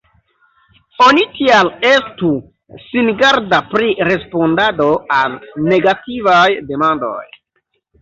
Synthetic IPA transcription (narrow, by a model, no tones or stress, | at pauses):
o̞nitiale̞stu | sinɡaɾdapɾiɾe̞spo̞ndado̞alne̞ɡativajde̞mando̞̰j